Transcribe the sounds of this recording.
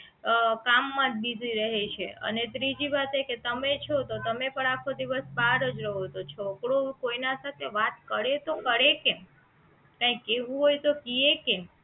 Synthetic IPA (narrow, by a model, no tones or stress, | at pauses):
kamːãt̪bid̪ʱiɾəɦet͡ʃʰḛʔə̰net̪ɾid͡ʒiʋat̪eket̪əmet͡ʃʰot̪ot̪əmepəɳ̃akʰod̪iʋəsbaɾəd͡ʒɾəɦot̪ot͡ʃʰokɽokoinasat̪ʰeʋat̪̚kəɾet̪okəɾekem | kãikːeʋũɦojt̪okiekem